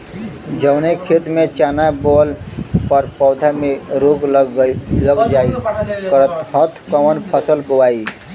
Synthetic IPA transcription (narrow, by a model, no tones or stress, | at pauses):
d͡ʒəʊnekʰet̪mẽt͡ʃaːnabolpəɾpɔːd̪ʱamẽɾoːɡ | ləɡd͡ʒaːikɾt̪hət̪ʰkəmənpʰəsəlbowaːi